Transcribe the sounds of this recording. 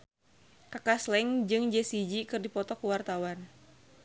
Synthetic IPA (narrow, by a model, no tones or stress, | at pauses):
kakaslɛŋd͡ʒɨŋd͡ʒɛsid͡ʒikɨrdipɔt̪ɔkuwart̪awan